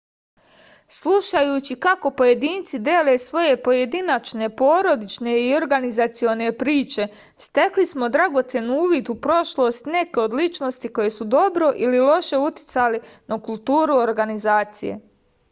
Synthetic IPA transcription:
sluʃajuːt͡ɕikako̞po̞je̞d̪iːnt̪sid̪eːle̞sʋo̞je̞po̞je̞d̪inat͡ʃne̞po̞ːɾo̞d̪it͡ʃne̞io̞ɾɡanizat̪sio̞ne̞pɾiːt͡ʃe̞ | st̪e̞klismo̞d̪ɾaɡo̞t̪se̞nuuːʋid̪upɾo̞ʃlˠo̞st̪ne̞ke̞o̞d̪lit͡ʃno̞st̪iko̞je̞sud̪o̞bɾo̞ʔililo̞ʃe̞ut̪i̥t̪salinakulˠt̪uːɾuoɾɡanizaːt̪sḭjḛ

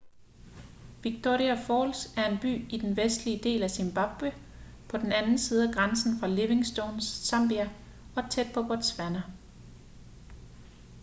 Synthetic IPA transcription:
ʋiɡ̥̚t͡sʰo̝̰ʁiæfɒːlsæɐe̝nb̥y̰ːid̥enʋesd̥liəd̥e̝̰ːlæsemb̥ɑ̈b̥wə | pʰɒ̽d̥enænn̩siːð̞̩ˠæɡ̥ʁɑnsn̩fʁɑ̈le̝ʋe̝ŋsd̥ɔʊnsɑ̈mb̥iæ | ɒ̽t͡sʰed̥̚pʰɒ̽b̥ɒd̥sʋænɐ

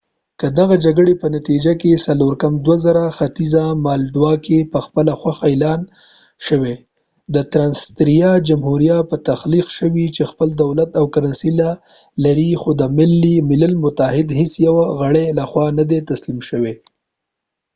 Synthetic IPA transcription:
kəd̪aɣad͡ʒaɡəɽepənat̪id͡ʒakesaloɾkamd̪wazaɾaxat̪izamɑlɖwɑkepəxpəlaxwaxaelɑn | ʃəwe | d̪ət̪ɾɑnst̪ɾijɑd͡ʒamhuɾijat̪̚pət̪axliqʃəwit͡ʃexpəld̪awlat̪awkaɾansila | laɾixod̪əmɪlːimɪlalmʊt̪ahɪd̪hesjawaɣəɽelaxwɑnad̪et̪aslimʃəwe

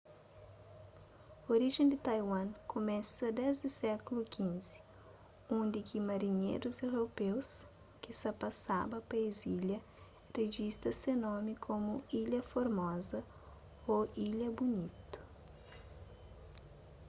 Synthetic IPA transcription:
oɾiʒẽnd̪ɪt̪ajwɐ̃ŋkʰomɛ̃sɐd̪ɛzd̪ɪsɛkulukʰĩnz̥i̥ | ũd̪ikimɐɾiɲḛjɾuzewɾopews | kisɐpasabɐpɐeziljɐ | reʒist̪ɐsenɔmikʰomuiʎɐfoɾmɔzɐ | oiʎɐbunit̪u̥

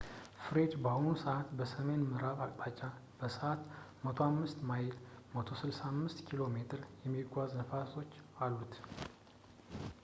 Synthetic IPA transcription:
fɨɾe̞d͡ʒbahonusəʔat̪bəsəme̞nmɨɾaβakʼpʼat͡ʃʼab̥əsəʔat̪ | mət̪ʰohamːɨst̪majɪlmət̪ʰosɨlsaːmːɨst̪kʰilo̞me̞t̪ʰɨɾjɛmːiɡʷaznəfaso̞t͡ʃːalːut̪ʰ

